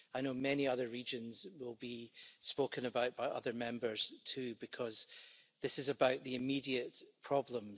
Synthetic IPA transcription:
aɪnomɛniʌðə˞ɹid͡ʒə̃nzwɪlˠbispokə̃nəbaʊʔb̥aɪʔʌ̰ðə˞mɛ̃mbə˞z̥tʰʉːbɪkʰʌzðɪsɪzəbaʊʔðiɪmidiəʔpʰɹ̥ɔblˠə̃m

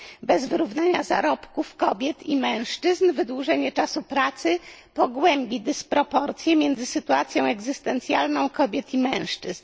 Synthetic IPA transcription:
bɛzvɘɾuvnaɲaza̰ɾɔpkufkɔbʲjɛt̪imɛ̃w̃ʂt͡ʂɘznvɘd̪wuʐɛɲɛt͡ʂasupɾat̪sɘpɔɡwɛmbʲid̪ɘspɾɔpɔɾt̪sʲjɛmʲjɛnd̪zɘsɘt̪uat̪sʲjɔ̃w̃ɛɡzɘst̪ɛnt̪sʲjalnɔ̃w̃kɔbʲjɛt̪imɛ̃w̃ʂt͡ʂɘzn

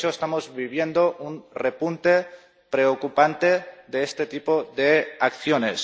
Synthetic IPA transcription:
oest̪amozβiβ̞je̞nd̪oʔunrepunt̪e | pɾeokupant̪e̞ðeest̪et̪ipoðeakθjones

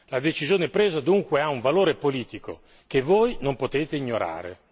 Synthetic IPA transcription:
lad̪et͡ʃizjoːnepɾeːzad̪uŋkweauɱvaloːɾepoliːt̪iko̰ | k̟evːojnompot̪eːt̪eiɲːoɾa̰ːɾḛ

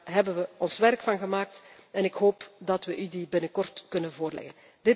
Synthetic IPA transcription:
ɦɛbənʋəɔnsʋɛrkfɑnɣəmaːk̚tɛnɪkɦoːpdɑtʋəʔydibɪnəkɔrtkɵnənvoːrlɛ̰ɣə̰n | d̥ɪ

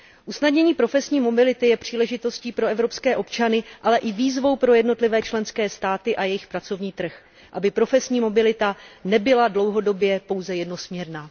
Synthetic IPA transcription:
ʔusnadɲɛɲiːpɾo̞fɛsɲiːmo̞bɪlɪt̪ɪjɛpr̝̥iːlɛʒɪt̪o̞sciːpɾo̞ɛvɾo̞pskɛːʔo̞pt͡ʃanɪʔalɛʔɪviːzvo̞wpɾo̞jɛdno̞t̪lɪvɛːt͡ʃlɛnskɛːst̪aːt̪ɪʔajɛjɪxpɾat͡so̞vɲiːt̪r̩x | ʔabɪpɾo̞fɛsɲiːmo̞bɪlɪt̪anɛbɪladlo̞wɦo̞do̞bjɛpo̞wzɛjɛdno̞smɲɛɾnaː

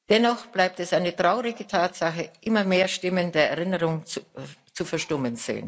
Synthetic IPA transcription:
d̥ɛnɔχb̥laɪp̚tɛsʔaɪnətʁ̥aʊʁɪɡətʰaːtz̥aχəʔɪmɐmeːɐʃtɪməndeːɐɛɐʁɪnəʁʊŋ | t͡sufɛɐʃtʊmənz̥ḛːn

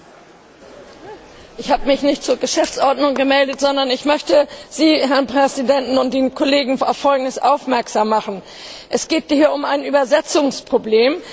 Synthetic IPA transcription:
ʔɪçhaːbəmɪçnɪçtt͡suːɐɡəʃɛft͡sʔɔɐdnʊŋɡəmɛldətz̥ɔndɐnɪçmœçtəz̥iːɦɛɐnpʁ̥ɛzidɛntn̩ʊnt̚d̥eːnkʰoleːɡŋ̩a̰ʊfːɔlɡŋ̩dəsʔaʊfmɛɐkz̥aːmːaχn̩ | ʔɛsɡ̥eːt̚hiːɐʊmaɪnʔyːbɐzɛt͡sʊŋspʁ̥obleːm

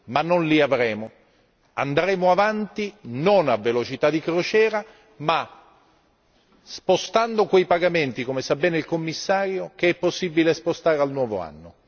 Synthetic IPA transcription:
manːonliavɾɛːmo | a̰nd̪ɾɛːmoavant̪inonavːelot͡ʃit̪ad̪ikɾot͡ʃɛːɾa | ma | spost̪and̪okwejpaɡament̪ikomesabɛːneilkomːisːaːɾjok̟eɛpːosːibilespost̪aːɾealnwɔːvo̰a̰nːo

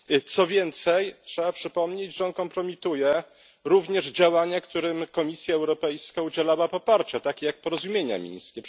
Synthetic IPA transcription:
t̪sɔvʲjɛnt̪sɛjtʂɛbapʂɘpɔmɲed͡ʑʐɛɔnkɔmpɾɔmʲit̪ujɛ | ɾuvɲɛʐd͡ʑawaɲakt̪uɾɘmkɔmʲisʲjaɛwɾɔpɛjskaud͡ʑɛlawapɔpaɾt͡ɕat̪akʲejak̚pɔɾɔzumʲjeɲa̰mʲḭ̃ɲ̃jskʲɛ

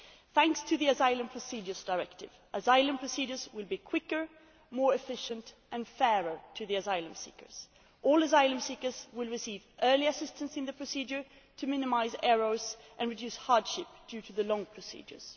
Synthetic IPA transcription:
θæ̃ŋkstʰɨðiɨzaɪlˠə̃mpʰɹ̥əsid͡ʒə˞zdaɪɹɛk̚tɪ̰vʔəzaɪlˠə̃mpʰɹ̥ɨsid͡ʒə˞zwɪlˠbikʰw̥ɪkə˞ | mɔɹɨfɪʃɨ̃nt | ʔɨ̃nfɛɹə˞tʰɨðiɨzaɪlˠə̃msḭkə̰˞z̥ | ʔɔlˠəzaɪlˠə̃msikə˞zwɪlˠɹɨsiːvʔɜ˞liɨsɪstɨ̃nsɨ̃nðɨpʰɹ̥ɨsid͡ʒə˞ | tʰɨmɪ̃nɨmaɪzɛɹoʊzʔɨ̃nɹɨdjʉshɑɹd̥ʃɪp̚d̥jʉɾɨðɨlɔ̃ŋpʰɹ̥ɨsḭd͡ʒə̰˞z̥

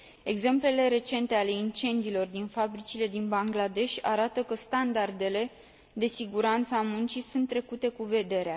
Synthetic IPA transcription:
e̞ɡze̞mple̞le̞ɾe̞t͡ʃe̞nt̪e̞ale̞int͡ʃe̞nd̪iːlo̞rd̪infabɾit͡ʃile̞d̪inbaŋɡlad̪e̞ʃʲa̰ɾat̪əkəst̪and̪ard̪e̞le̞ | d̪e̞siɡuɾant̪səamunt͡ʃisunt̪ːɾe̞kut̪e̞kuve̞d̪e̞ɾea

